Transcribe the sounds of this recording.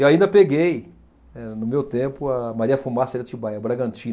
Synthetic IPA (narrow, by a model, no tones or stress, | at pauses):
ewaĩnd̪ɐpeɡej | nɛnʊmewt̪ẽpʊɐmaɾiɐfumasiɾɐt͡ʃibajɐbɾaɡɐ̃nt͡ʃĩn